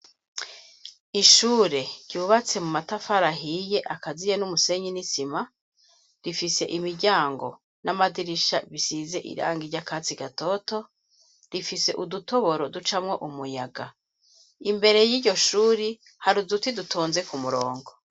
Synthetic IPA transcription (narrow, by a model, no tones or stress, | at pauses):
iʃuːɾe̞ɾ̥ɟuːβat͡se̞mumatafaɾaɦije̞ʔakazijenumuse̞ɲinisima | ɾifise̞ʔimiɾɟaːŋɡo̞̰ | namadiɾiʃaβisize̞ʔḭɾa̰ːŋɡiɾɟakat͡siɡato̞to̞ | ɾifise̞ʔuduto̞βo̞ɾo̞dut͡ʃamŋo̞ʔumujaɡa | imbe̞ɾe̞jiɾɟo̞ʃuːɾi | haɾuzutidutʰoːnze̞kumuɾoːŋɡo̞